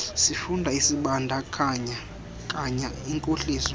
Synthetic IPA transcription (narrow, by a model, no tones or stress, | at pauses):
sifundʱaisiɓandʱakʰaɲa | kʼaɲa | iŋkʼoɬiːzɔ